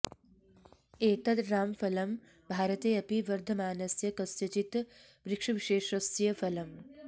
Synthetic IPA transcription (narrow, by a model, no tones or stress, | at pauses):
eːt̪ɐd̪ɾaːmfɐlɐm | bʱaːɾɐt̪eːɐpiʋɐɾd̪ʱɐmaːnɐsjɐkɐsjɐt͡ʃit̪ | ʋɾikʂɐʋiʃeːʃɐsjɐfɐlɐm